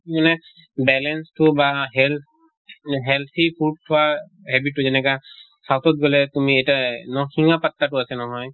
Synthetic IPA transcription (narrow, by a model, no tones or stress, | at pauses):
imanɛ | bɛlɛnstʊbaɦɛl | ɦɛlt̪ʰipʰud̚tʰɔwa | ɦɛbitːʊzɛnɛka | sawtɔt̚ɡɔlɛtumiɛjtanɔxiŋapatːatʊasɛnɔɦɔj